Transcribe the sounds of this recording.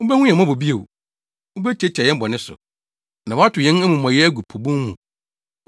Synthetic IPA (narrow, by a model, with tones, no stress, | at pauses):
ʊ̃˦bæ˦hũ˦jɛ̃˨mã˦bo˨bi˦e˨w | ʊ̃˦bɛ˦t͡ɕʰe˦t͡ɕʰɛ˨jɛ̃˦bɔ˨nɪ̃˦sʊ̰˨ | nã˨wɔ˦a˦tʰʊ˨jɛ̃˦n˦ɛ˦mũ˨mã˨jɛ˦æ˦ɡu˨pʰo˨bũ˦hũ˨